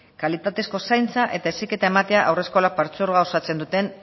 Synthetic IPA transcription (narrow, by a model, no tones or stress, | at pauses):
kalit̪at̪e̞sko̞sajnt͡saʔe̞t̪aesike̞t̪aemat̪e̞aʔawre̞sko̞lak̚paɾt͡suɾɣao̞sat͡se̞nd̪ut̪e̞n